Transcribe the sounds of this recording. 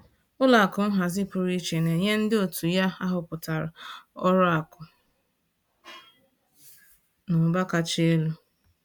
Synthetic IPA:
ʊ˦la˨kʊ˨n̩˦ɦa˨zɪ˦pʊ˨ɾi˦t͡ʃe˨ne˨ɲe˦n̩˦dɪ˦o˨tu˨ja˦a˦ɦʊ˨pʊ˨ta˨ɾʊ˨ɔ˦ɾʊ˦a˨kʊ˨ | nʊ˨ba˦ka˨t͡ʃe˦lu˦

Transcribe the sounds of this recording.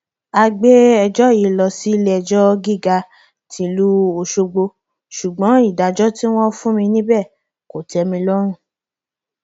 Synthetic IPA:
a˧ɡ͡be˦ɛ˧d͡ʒɔ˦˨ji˨lɔ˧si˦lɛ˦ɛ˧˨d͡ʒɔ˦ɡi˦˨ɡa˧ | tʰĩ˧lu˦o˧ʃo˧ɡ͡bo˧ | ʃu˨ɡ͡bɔ̃˨˦i˦˨da˨d͡ʒɔ˦ti˦w̃ɔ̃˦fũ˦mĩ˧nĩ˦bɛ˦˨ | ko˨tɛ˧mĩ˧lɔ˦ɾ̃ũ˦˨

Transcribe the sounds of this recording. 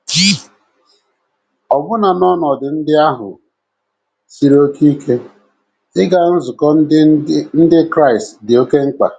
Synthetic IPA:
ki˦ | ɔ˨bʊ˦na˨nɔ˦nɔ˨dɪ˨n̩˦dɪ˦a˦ɦʊ̰˨ | si˦ɾo˦kʰi˦kʰe˦ | ɪ˦ɡa˨n̩˦zʊ˨kɔ˦n̩˦dɪ˦kɾa˦ɪ˨stdɪ˨o˦ke˦ŋ͡m̩˦k͡pa̰˨

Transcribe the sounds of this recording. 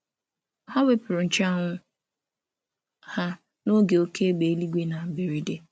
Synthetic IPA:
ha˦we˦pʊ˨ɾʊ˨n̩˨t͡ʃa˦ŋʷʊ˦ | ha˦ | no˦ɡe˨o˦kʰe˦ɡ͡be˨˦li˦ɡʷe˦na˨be˨ɾi˦de˦

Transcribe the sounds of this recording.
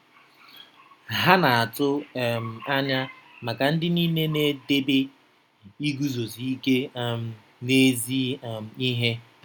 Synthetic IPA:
ɦa˦na˨a˨tʊ˦˨m̩˨a˦ɲa˦ma˨ka˨n̩˦dɪ˦ni˦ne˦ne˦de˦be˦ | i˦ɡu˦zo˨zi˨i˦ke˦˨m̩˨ | ne˦zi˦m̩˨i˦ɦe˦

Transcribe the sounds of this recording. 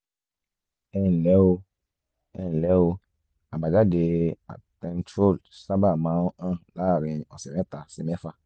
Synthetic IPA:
ɛ˦n˨lɛ˨˦wo˦ | ɛ˦˨lɛ˦wo˧˦ | a˨ba˨d͡ʒa˦de˨a̰˨tɛ̃˨n˦tɾo˦˨lsa˦ba˨mã˨˦o˦ã˦la˦˨ɾĩ˨ɔ˨sɛ˨mɛ˦ta˨sɛ˨mɛ˦fa˦˨

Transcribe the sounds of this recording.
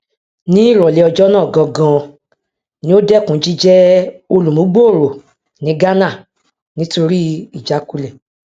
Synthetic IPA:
nĩ˦i˦˨ɾɔ˨le˨˦ɔ˧d͡ʒɔ˦nãː˦˨ɡã˧ɡã˧ | nĩ˦o˦dɛ˦˨kũ˨˦d͡ʒi˦d͡ʒɛ˦o˧lũ˨mũ˨˦ɡ͡bo˦o˦˨ɾo˨ | nĩ˨˦ɡa˦nã˦˨ | nĩ˦to˧ɾi˦i˦˨d͡ʒa˨˦ku˦le˦˨

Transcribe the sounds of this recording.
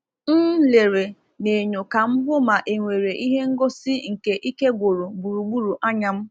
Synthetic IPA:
n̩˦le˨ɾe˨ | ne˨ɲo˨ka˨m̩˦bʊ˦ma˨ʔe˨ŋʷe˨ɾe˨ʔi˦ɦe˦ŋ̩˦ɡo˦sɪ˦ŋ̩˨ke˨ʔi˦ke˦ɡʷo˨ɾo˨ɡ͡bu˨ɾu˨ɡ͡bu˦ɾu˨ʔa˦ɲa˦m̩˦

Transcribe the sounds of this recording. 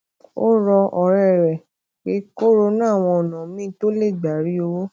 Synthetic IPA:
o˦ɾɔ˧ɔ˨ɾɛ˦˨ɾɛ˨ | k͡pe˨˦ko˦ɾo˧nã˦˨w̃ɔ̃˧ɔ˨nã˨mĩː˦to˦le˦˨ɡ͡ba˨˦ɾi˨˦o˧wo˦

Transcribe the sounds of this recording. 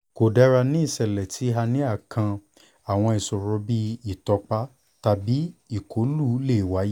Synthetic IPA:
ko˨dɛ˦ɾa˧nĩ˦i˦˨sɛ˨lɛ˨tʰi˨˦ɦa˧nĩ˦a˦˨kʰã˧ | a˨w̃ɔ̃˧i˨sɔ˨ɾɔ˧bi˦i˦˨tɔ˧k͡pa˦ | ta˧bi˦i˦˨kʰo˨˦lu˦˨˦le˦˨wa˨˦ji˦

